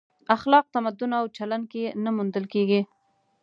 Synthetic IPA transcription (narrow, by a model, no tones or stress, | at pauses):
axlɑq̚t̪amad̪ʊnawt͡ʃalan̚kenamund̪əlkeɡi